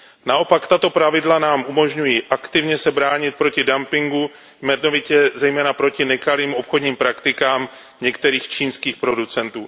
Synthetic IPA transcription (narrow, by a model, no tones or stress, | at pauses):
naʔo̞pakt̪at̪o̞pɾavɪdlanaːmʔumo̞ʒɲujiːʔakt̪ɪvɲɛsɛbɾaːɲɪt̪̚pɾo̞cɪdampɪŋɡu | vmɛnovɪcɛzɛjmɛːnapɾo̞cɪnɛkaliːmo̞pxo̞dɲiːmpɾakt̪ɪkaːm | ɲɛkt̪ɛɾiːxt͡ʃiːnskiːxpɾo̞dut͡sɛnt̪uː